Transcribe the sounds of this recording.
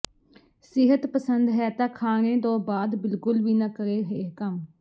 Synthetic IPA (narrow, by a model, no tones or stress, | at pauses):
sɪɦət̪pəsənd̪ɦɛːt̪ãːkʰaːnẽːt̪õːbaːd̪bɪlkʊlʋiːnakəɾeːɦeːkəm